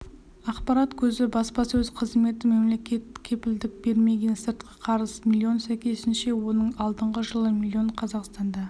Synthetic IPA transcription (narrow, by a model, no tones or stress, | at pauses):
ɑqpɑɾɑt̪kʲʰɵzɪbɑspɑsɵzqʰəzme̞t̪ɪme̞mle̞kʲe̞t̪kʲʰe̞pɪld̪ɪk̚be̞ɾme̞ɡʲe̞nsɪɾt̪qʰɑqʰɑɾəsmilʲːio̞nsæjkʲʰe̞sɪnʃe̞wo̞nəɴɑlˠd̪əɴʁəʒəlˠəmilʲːio̞ɴqʰɑzɑqst̪ɑnd̪ɑ